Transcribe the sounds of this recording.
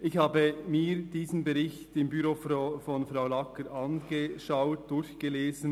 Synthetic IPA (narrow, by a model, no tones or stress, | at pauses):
ʔɪçhaːbəmiːɾd̥iːzn̩bɛʁɪçtɪmbyɾofofɔnfɾaʊlɑkəɾʔɑnɡ̥əʃaʊt̚d̥ʊɾçɡ̥əleːzn̩